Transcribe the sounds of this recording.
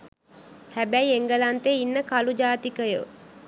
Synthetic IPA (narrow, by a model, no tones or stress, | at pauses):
hæbæieŋɡəlant̪einːəkalud͡ʒaːt̪ikəjə̰